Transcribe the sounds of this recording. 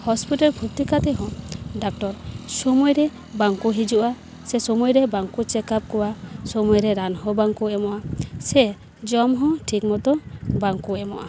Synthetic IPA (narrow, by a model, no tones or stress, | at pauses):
hɔspiʈaɾbʰʱuɾt̪ikat̪ɛɦɔ̃ɖak̚ʈɔɾsɔmujɾɛ | baŋkuɦid͡ʒuʔa | sɛsɔmujɾɛbaŋkut͡ʃɛkap̚kɔwasɔmujɾɛɾanhɔ̃baŋkuɛmɔʔasɛ | d͡ʒɔmɦɔ̃ʈʰik̚mɔt̪ɔbaŋkuɛmɔʔa